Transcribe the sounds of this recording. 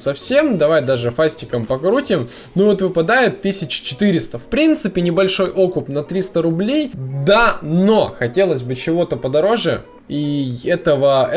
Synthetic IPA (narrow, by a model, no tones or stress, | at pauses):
sɐfsʲemd̪ɐvajd̪aʐɨfasʲtʲɪkəmpɐkɾutʲɪm | nuvot̪vɨpɐd̪ajɪt̪ːɨsʲɪt͡ɕɪ̥t͡ɕɪ̥t̪ɨɾʲɪst̪əfpɾʲint̪sɨpʲɪnʲɪbɐlʲʂo̞jʔo̞kʊpnɐt̪ɾʲist̪əɾʊblʲejd̪ano̞xɐtʲe̞lˠəszʲbɨt͡ɕɪvo̞t̪əpəd̪ɐɾo̞ʐɨ | iɛt̪əvə